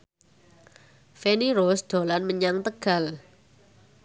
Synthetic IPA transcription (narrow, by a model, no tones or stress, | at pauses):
feniɾosd̪̥o̤lanməɲaŋt̪əɡ̥a̤l